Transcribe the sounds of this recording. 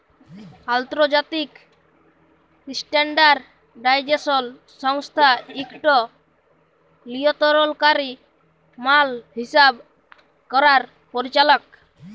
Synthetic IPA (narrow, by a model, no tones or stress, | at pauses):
alt̪ɾɔd͡ʒat̪ik | sʈeɳɖaɾ | ɖajd͡ʒesɔl | sɔŋst̪ʰaikʈɔ | liɔt̪ɔɾɔlkaɾi | malhisab | kɔɾaɾ | pɔɾit͡ʃalɔk̚